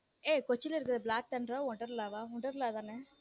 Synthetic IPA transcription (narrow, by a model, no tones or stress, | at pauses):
eːkɔt͡ʃːɪlɪɾɯkːɐðɯblaːk̚ʈ̪ɐɳɖɾõːɔɳʈɐɾlaːʋaːʊɳɖɐɾlaːt̪ãːne